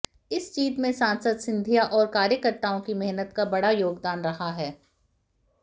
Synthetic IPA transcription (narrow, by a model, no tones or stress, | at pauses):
ɪst͡ʃiːt̪mẽsãːnsəd̪sɪ̃nd̪ʱijaʔɔːɾkaːɾjəkəɾt̪aõkimɛɦnət̪kabɐɽajoːɡd̪aːnɾɐɦaɦɛː